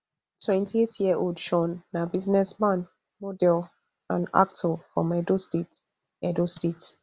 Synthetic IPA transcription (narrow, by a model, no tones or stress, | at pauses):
tʰwɛ̃ntʰietʰjiəʔodʃɔ̃nːabiznɛsmãn | mɔdɛl | ãna̰k̚tʰɔfɹɔ̰̃mɛdostet | ɛdostet